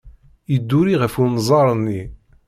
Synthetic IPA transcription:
id̪ːuɾiʁəfunzˤɑɾˤnːi

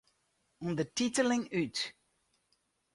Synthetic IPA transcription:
ɔnðətitəlɪŋyt

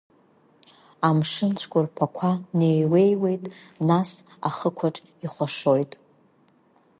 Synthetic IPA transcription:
amʂɨnt͡ɕʷʰkʷʼʊrpʰakʷʰane̞jwe̞jwe̞jtʼnas | a̰χəkʷʰaʈ͡ʂʼ | iχʷaʂo̞jtʼ

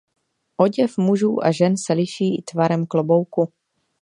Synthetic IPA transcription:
ʔoɟɛfmuʒuːʔaʒɛnsɛlɪʃiːɪt̪vaɾɛmklobo̞wku

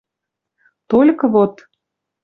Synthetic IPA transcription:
t̪olʲkɤ̆βot̪

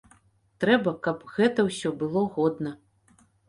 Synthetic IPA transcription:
t̪ɾɛbɐkɐpɣɛt̪ɐwsʲɔbɨlˠɔɣɔd̪nɐ

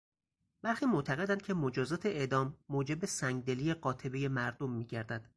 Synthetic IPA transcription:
b̥æɾxiːmoʔt̪ʰæɣe̞d̪ænd̪̚cʰe̞mod͡ʒɒːzɒːt̪ʰe̞ʔeʔd̪ɒːmːoːd͡ʒe̞besæŋɡ̚d̪e̞liːjeɢɒːt̪ʰe̞beje̞mæɾd̪omːiːɟæɾd̪æd̪̥

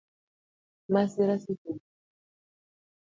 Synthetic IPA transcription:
masiɾasitu

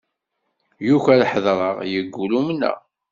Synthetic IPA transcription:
juçælħəðɾˤəʁjəɡːulumnə̰

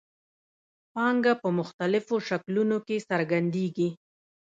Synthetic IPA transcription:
pɑŋɡapəmʊxt̪alɪfoʃaklunokesaɾɡand̪eɡi

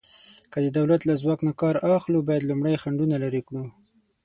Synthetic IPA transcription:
kəd̪əd̪awlat̪lazwɑknakɑɾaxlubɑjad̪lumɽajxaɳɖunalaɾikɽu

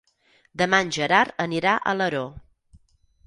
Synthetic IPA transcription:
d̪əmanʲʒəɾaɾəniɾaʔə̰ləɾo

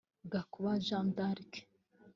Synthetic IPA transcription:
ɡakuβaʒãnd̪aɾike̥

